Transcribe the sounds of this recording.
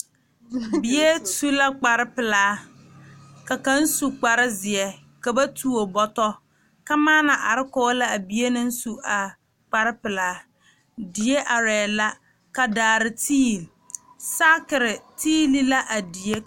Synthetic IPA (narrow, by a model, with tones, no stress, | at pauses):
bi˦je˦tu˦la˦k͡pa˨ɾɪ˦pɪ˨laː˨˦ | ka˨ka˦n̩˦su˨k͡pa˨ɾɪ˦zɪ˨ɛ˦ | ka˨ba˦tu˦o˨bɔ˦tɔ˦ | ka˦maː˦na˨ʔa˨ɾɪ˦kɔ˦la˦a˨bi˨e˦nɪ˦n̩˦su˨ʔa˨ | k͡pa˨ɾɪ˦pɪ˨laː˨˦ | di˨e˦ʔa˨ɾɛː˨la˦ | ka˨daː˨ɾɪ˨tʰiː˦˨lsa˦kɪ˨ɾɪ˨tiː˦li˦la˦ʔa˨di˨e˦